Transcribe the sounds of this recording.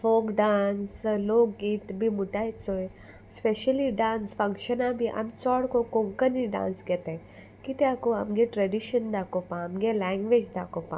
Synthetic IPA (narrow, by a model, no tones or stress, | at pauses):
foːkɖaːnsloːɡiːt̪bʱimuʈaesoe | speʃəliɖãːnsfɐ̃ŋkʃənabʱiʔɐ̰msɔːɽkokõŋkəniɖã̰ːnsɡet̪eẽ | kit̪eakoɐ̰mɡeʈɾɐɖiʃənd̪aːkopãɐmɡelɛːŋɡʋed͡ʒd̪aːkopã̰